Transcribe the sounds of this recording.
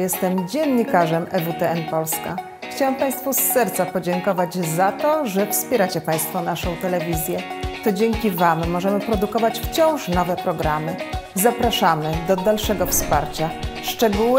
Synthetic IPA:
jɛst̪ɛmd͡ʑɛnɲikaʐɛmɛvut̪ɛɛnpɔlska̰ | xt͡ɕawɛmpaj̃st̪fusːɛɾt̪sapɔd͡ʑɛŋkɔvad͡ʑzat̪ɔʐɛfspʲjɛɾat͡ɕɛpaj̃st̪fɔnaʂɔ̃w̃t̪ɛlɛvʲizʲjɛt̪ɔd͡ʑɛŋkʲivamːɔʐɛmɘpɾɔd̪ukɔvat͡ɕft͡ɕɔ̃w̃ʂnɔvɛpɾɔɡɾamɘzapɾaʂamɘd̪ɔd̪alʂɛɡɔfspaɾt͡ɕaʂt͡ʂɛɡuw

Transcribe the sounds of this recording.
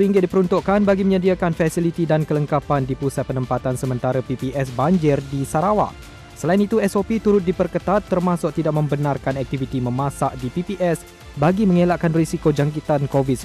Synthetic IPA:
əɾiŋɡɪt̪̚dipəɾunt̪uʔkanbaɡiməɲədiakanfɛsilit̪idankələŋkapandipusat̪̚pənəmpat̪ansəmə̃nt̪aɾəpipiʔɛs̬baɲd͡ʒɪrdisaɾawa̰ʔ | səlainit̪uɛsopit̪uɾʊt̪̚dipərkət̪at̪ːərmãsʊk̚t̪idaʔ̚mə̃mbənarkanɛk̚t̪ivit̪imə̃mãsaʔdipipiʔɛs | baɡimə̃ŋelaʔkanrisikod͡ʒaŋkit̪ankovi

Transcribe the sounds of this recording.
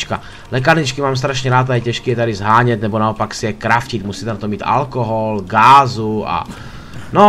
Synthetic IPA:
t͡ʃka | lɛk̬aɾɲɪt͡ʃkimaːms̬t̪ɾaʃɲɛɾaːt̪ajɛcɛʃkiːjɛt̪adɪzɦaːɲɛt̪nɛbonaopaksijɛkɾafcit̪musiːt̪ɛnat̪omiːt̪a̰lkoɦolɡaːzua̰ | no

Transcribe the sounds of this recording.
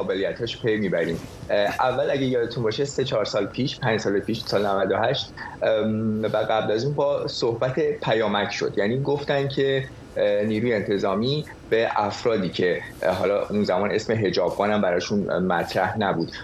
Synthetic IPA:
ɒːbelijæt̪hɒʃpʰe̞jmiːbæɾiːmʔævːælæɟæjɒːd̪et̪ʰunbɒːʃe̞se̞t͡ʃʰɒːɾsɒːlpʰiːʃpʰæɲd͡ʒsɒːlepʰiːʃsɒːlnævæd̪ohæʃt̪ | væɣæblæzuːnbɒːsohbæt̪ʰe̞pʰæjɒːmæcʰʃo̞̰d̪̥jæniːɡo̞ft̪ænd̪̚cʰe̞ | niːɾuːjeːnt̪ʰe̞zɒːmiː | b̥e̞ʔæfɾɒːd̪iːcʰe̞ɦɒ̰ːlɒʔunzæmɒːne̞sme̞ɦe̞d͡ʒɒːbɡɒːnæmbæɾɒːʃunmæt̪ʰɾæhnæbuːd̪

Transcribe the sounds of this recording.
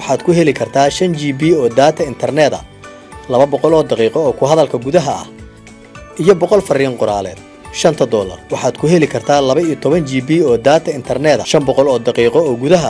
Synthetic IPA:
ɑħɑːd̪kʰʊɦɛlɪkʰɐrt̪ʰaːʃɐnt͡ʃiːbiːɔːd̪aːt̪ʰɐɪnt̪ʰɐrnɛːðɐ̰ | lɐβɐbɔqɔlɔːd̪ɑqiːqɔɔːkʰʊɦɐðɐlkʰɐɡuðɐɦɐɐ̰h | ʔijɔbɔqɔlfɐɾɪjɐŋqʊɾaːlɛ̰ːd̪̥ | ʃɐnt̪ʰɐd̪ɔːlɐ̰rwɑħɑːd̪kʰʊɦɛlɪkʰɐrt̪ʰaːlɐβɐijɔt̪ʰɔβɐnt͡ʃiːbiːɔːd̪aːt̪ʰɐɪnt̪ʰɐrnɛːðɐ̰ʃɐmbɔqɔlɔːd̪ɑqiːqɔɔːɡʊðɐɦɐ

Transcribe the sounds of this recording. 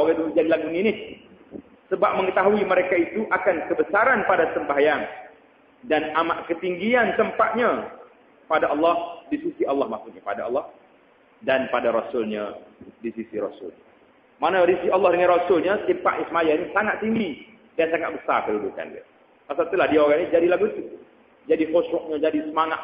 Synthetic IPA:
aɣadulud͡ʒadilaɡuninih | səbap̚məŋət̪aɦuiməɾekait̪uʔakankəbəsaɾanpadasəmbaɦajaŋ | danamaʔkət̪iŋɡiant̪əmpat̪̚ɲa | padaʔɑlːɑhdisisiɑlːɑhmasʊt̪̚ɲəpadaɑ̰lːɑh | danpadaɾɔsʊlɲadisisiɾɔsʊ̰lɲa | manadissialːɑhdəŋanrɔsʊlɲat̪impa̰ʔɲasəmajanisaŋat̪̚t̪ːiŋɡi | dansaŋat̪̚bəsa̰rkəlubuka̰ndḭa̰ | pasat̪ulahdiaoɾaŋid͡ʒadilaɡut̪u | d͡ʒadihoʃɾɔʔ̚ɲad͡ʒadisəmaŋa̰t̪

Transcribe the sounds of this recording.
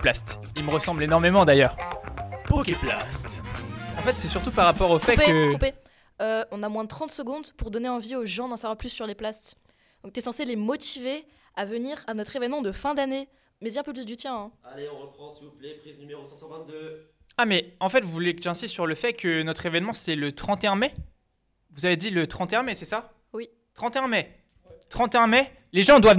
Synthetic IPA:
plast̪ | ilməʁəsɑ̃blenɔʁmemɑ̃d̪ajœːʁ | kplast̪ɑ̃fɛt̪sɛsyʁt̪upaʁːapɔʁofɛkəkpe | øɔ̃namwɛ̃d̪ət̪χɑ̃t̪səɡɔ̃d̪puʁd̪ɔneɑ̃vioʒɑ̃d̪ɑ̃savwaʁplysːyʁleplast̪ | d̪ɔ̃kt̪ɛsɑ̃selemɔt̪ive | avəniʁanɔt̪χevɛnmɑ̃d̪əfɛ̃d̪ane | mɛesɛ̃pøp̬lysd̪yt̪jɛ̃ɛ̃aleɔ̃ʁəpχɑ̃sivuplɛpχiznymeʁosɛ̃sɑ̃vɛ̃t̪̚d̪ø | amɛɑ̃fɛt̪vuvulekəʒɛ̃sist̪ːsyʁləfɛkʰənɔt̪χevɛnmɑ̃sɛlət̪χɑ̃t̪eɛ̃mɛ | vuzaved̪ilət̪χɑ̃t̪eɛ̃mɛsɛsa | wi | t̪χɑ̃t̪eɛ̃mɛ | t̪χɑ̃t̪eɛ̃mɛ | leʒɑ̃d̪wav

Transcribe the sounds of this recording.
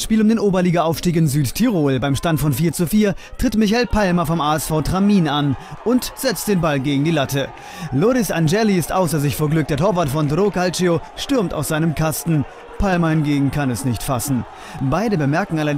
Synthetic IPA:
sʃpiːlʊmdeːnʔoːbɐliːɡaʔaʊfʃtiːk̬ɪnzyːttʰːiʁoːlbaɪmʃtantfɔnfiːɐt͡sufiːɐtʁ̥ɪtmɪçaɪlpʰalmɐfɔmʔaːɛsfaʊtʁ̥amiːnanʔʊntz̥ɛt͡st̚d̥eːnbalɡeːɡŋ̩diːlatə | loːʁɪsand͡ʒɛliɪstʔaʊsɐzɪçfoːɐɡlʏk̚d̥eːɐtʰoːɐvaɐtfʁɔntʁokalt͡ʃioʃtʏɐmta̰ʊsz̥aɪnəmkʰastn̩ | pʰalmɐhɪnɡeːɡŋ̩kʰanɛsnɪçtfasn̩ | baɪdəbəmɛɐkŋ̩ala

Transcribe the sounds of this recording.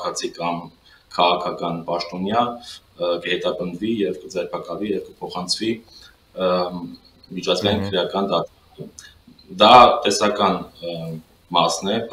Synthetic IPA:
kʰɑt͡sʰikɑm | kʰɑʁɑkʰɑkɑnpɑʃt̪ɔnjɑ | kəhɛt̪ɑpənd̪vijɛvkəd͡zɛɾpʰɑkɑlvijɛvkəpʰɔχɑnt͡sʰvi | mit͡ʃʰɑzɡɑjinkʰəɾjɑkɑnd̪ɑt̪ | ə | d̪ɑt̪ɛsɑkɑn | mɑsnɛ

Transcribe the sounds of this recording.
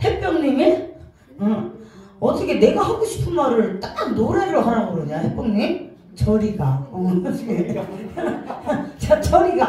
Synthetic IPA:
he̞p͈jʌŋɲime | ɯ | ʌt͈ʰʌkʰe̞ne̞ɡaɦaɡoɕʰi̥pʰɯnmaɾɯɭt͈anoɾeɾoɦaɾaboɾɯɲahe̞p͈jʌŋɲim | t͡ɕʌɾiɡaonɕʰi | t͡ɕat͡ɕʌɾiɡa

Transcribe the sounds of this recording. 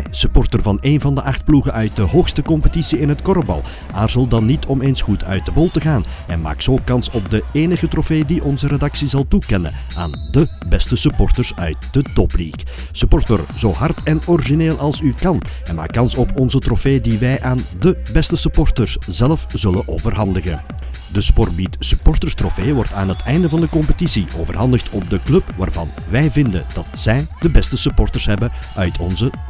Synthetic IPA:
sypɔrtərvɑneːnvɑndəʔɑxt̚pluɣəʔœɥt̚dəɦoːxstəkɔmpətisiɪnɦətkɔɾəbɑ̰lˠ | aːrzəlˠdɑnːitʰɔmeːnsxutʰœ̰ɥt̚dəbɔlˠtəɣaːn | ɛ̰nma̰ːksoːkɑnsɔp̚dəeːnəɣətrofeːdiʔɔnzəɾedɑksizɑlˠtukɛnə̰ | a̰ːndəbɛstəsypɔrtərsœ̰ɥt̚d̥ətɔpliːk | sypɔrtə̰rzoːɦɑrtɛnɔrʒineːlˠʔɑlˠsykɑn | ɛnma̰ːkːɑnsɔpʰɔnzətrɔfeːdiʋɛjʔaːndəbɛstəsypɔrtərsz̥ɛlfz̥ɵləʔoːvərɦɑndəɣə̰ | dəspɔrbitsypɔrtərstrɔfeːʋɔrta̰ːnɦətʰɛjndəvɑndəkɔmpətisiʔoːvərɦɑndəxtʰɔp̚dəklɵpʋaːrvɑ̰n | ʋɛjvɪndə̰dɑtsɛjd̥əbɛstəsypɔrtərsɦɛbəœɥtʰɔnzə

